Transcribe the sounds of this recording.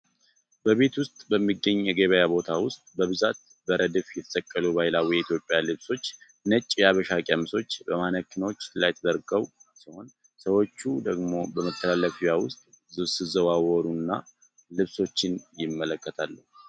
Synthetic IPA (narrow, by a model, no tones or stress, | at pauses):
bəβe̞t̪wʊst̪ʼbəmːiɡːəɲːjɛɡeβəjabo̞t̪ʰawʊst̪ʼbəβɨzat̪̚ | bəɾʔəd̪ɨfjɛt̪ʰə̥sʼəkʼːəluβajɪlawɔjɛit̪ʰjo̞pʼːjalɨβso̞t͡ʃː | nət͡ʃʼːjaβəʃakʼəmso̞t͡ʃːbəmanəkʰːɨnot͡ʃːlajɛt̪ʰəd̪əɾɡəwsiho̞n | səwo̞t͡ʃːud̪əɡmo̞bəmət̪ʰːəlalːəfjawʊst̪ʼ | zɨβsɨzəβawɔɾunːa | lɨβso̞t͡ʃːɪnjɪmːələkːət̪ʰalːəhu